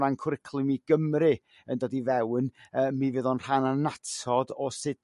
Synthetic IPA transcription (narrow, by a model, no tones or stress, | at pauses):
ɾankʰɾɪkʰlˠɨmiɡ̥əmɾɨ | əndɔdivɛwnəːmivɨðɔnr̥ananatʰɔdɔsɪd